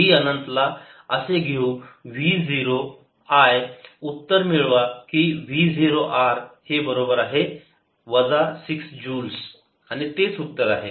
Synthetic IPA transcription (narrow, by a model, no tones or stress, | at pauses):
ɦiənənt̪laəseɡʱeũʋiːd͡ziɾo | ajut̪ːəɾmiɭʋakiʋid͡ziɾoʔaɾhebəɾobəɾaɦe | ʋəd͡zasiksd͡ʑuːls | aɽ̃it̪et͡sut̪ːəɾaɦe